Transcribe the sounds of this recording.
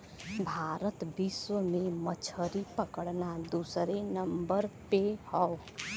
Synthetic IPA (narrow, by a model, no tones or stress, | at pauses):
bʱaːɾət̪biswəmẽmət͡ʃʰəɾipəkəɽnad̪usɾenəmbəɾpehəw